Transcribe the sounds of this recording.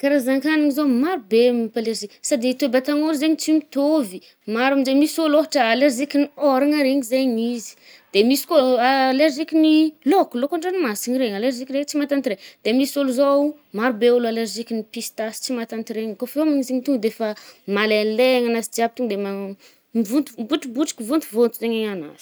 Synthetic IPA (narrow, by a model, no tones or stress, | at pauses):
kaɾazaŋkaniŋizomaɾubemipaleɾziksad̪it̪ebat̪aŋolzeɲit͡simit̪ovi | maɾumid͡ʒemisoloɦaʈ͡ʂəːleɾzikinioɾaŋaɾeɲizeɲizi̥ | d̪̥emisi̥koaleɾzikʲinilokulokaɳɖ͡ʐanimasiɲiɾeɲaleɾʒikʲɾekt͡simat̪ant̪iɾeɲd̪̥emisoluzou | maɾubeulualeɾʒikinipist̪asi̥t͡simat̪ant̪iɾeɲkofeamiɲizeɲit̪uŋɡd̪efamaleleaŋanasid͡ʒiab̚it̪uŋd̪ema | mivunt̪umbuʈ͡ʂubuʈ͡ʂi̥kʲivunt̪uvont̪uzeɲeɲana̰zi̥